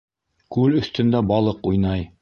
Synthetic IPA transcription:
kʉlɵ̆θt̪ɵ̆nd̪æbɑlˠɤqujnɑj

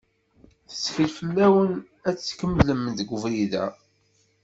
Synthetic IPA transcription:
θə̥sːfəlfəlːæwən | æt͡sːkəmləmːənd̪əɡʷʊvɾiðæ̰

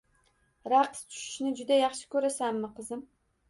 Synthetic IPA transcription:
ɾɑqst̪ʰʊ̥ʃɪ̥ʃnɪd͡ʒʊd̪ajɑχʃɪ̥kʲɵɾasamːɪqɨzɪm

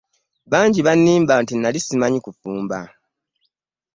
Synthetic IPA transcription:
βaːɲɟiβanːiːmbantinalisimaɲikufuːmba̰

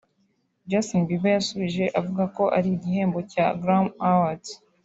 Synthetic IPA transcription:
d͡ʒasonbibajasuβiʒe̞ʔavuɡako̞ʔaɾiːɟiɦe̞ːmbo̞caɡɾamawat

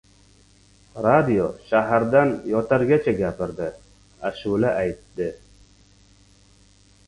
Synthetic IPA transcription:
ɾad̪ijoʃaɦaɾd̪anjɒt̪ʰaɾɡʲat͡ʃʰaɡʲapɪɾd̪ɪ | aʃulaʔajt̪ːɪ

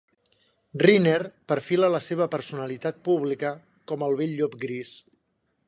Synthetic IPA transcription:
rineɾpəɾfilələseβ̞əpəɾsunəlit̪at̪̚puβ̞likə | kɔməlˠβeʎːopɡɾis

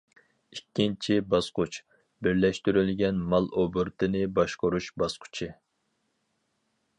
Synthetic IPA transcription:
ikʲːint͡ʃʰibɑsqʰʊt͡ʃ | bɪɾlɛʃt̪yɾylɡʲɛnmɑlˠʔobɨɾt̪ʰɨnɪbɑʃqoɾuʃbɑsqʰʊ̥t͡ʃʰɪ

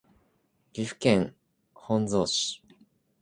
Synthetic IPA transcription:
ɾʲiɸɯ̟̥kẽŋ | hõnd͡zoːɕi̥

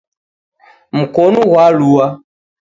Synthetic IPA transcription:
m̩kɔnuɣwalua

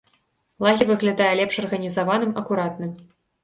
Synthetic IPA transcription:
lˠaɣʲirvɨɣlʲad̪ajɛlʲɛpʂɐrɣɐnʲizavanɨmɐkuɾat̪̚nɨm

